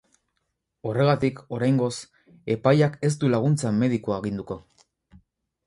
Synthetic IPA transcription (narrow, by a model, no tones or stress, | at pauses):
o̞re̞ɣ̞at̪iko̞ɾajŋɡo̞s | e̞pajake̞s̬t̪ulaɣ̞unt͡same̞ðikoaeɣind̪uko̞